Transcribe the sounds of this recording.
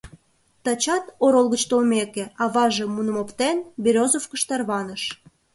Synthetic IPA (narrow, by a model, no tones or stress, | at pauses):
t̪ɑt͡ɕɑt̪oɾolɣət͡ɕt̪olmekeɑβɑʒemːunəmopt̪enbʲiɾʲozofkəʃt̪ɑrβɑnəʃ